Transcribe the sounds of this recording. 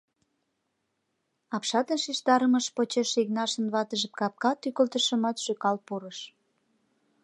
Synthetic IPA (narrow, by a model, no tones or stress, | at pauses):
ɑpʃɑt̪ənʃiʃt̪ɑɾəməʃpot͡ɕeʃiɣnɑʃə̆nβɑt̪əʒəp̚kɑp̚kɑt̪ykəlt̪əʃə̆mɑt̪ʃøkɑlpuɾəʃ